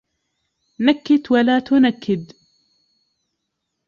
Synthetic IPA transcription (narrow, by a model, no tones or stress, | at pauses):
nakːɪt̪walaːt̪ʊnakːɪd̪